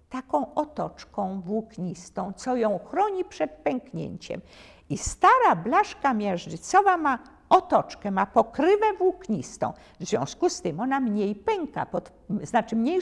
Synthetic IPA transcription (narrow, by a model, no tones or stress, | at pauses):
t̪akɔ̃w̃ʔɔt̪ɔt͡ʂkɔ̃w̃vwukɲist̪ɔ̃w̃t̪sɔjɔ̃w̃xɾɔɲipʂɛt̪̚pɛŋkɲḛɲt͡ɕɛ̰m | ist̪aɾablaʂkamʲjɛʐʐɘt̪sɔvama | ɔt̪ɔt͡ʂkɛmapɔkɾɘvɛvwukɲist̪ɔ̰̃w̃ | vzvʲjɔ̰̃w̃skust̪ɘmɔnamɲejpɛŋka̰pɔt̪ | znat͡ʂɘmɲej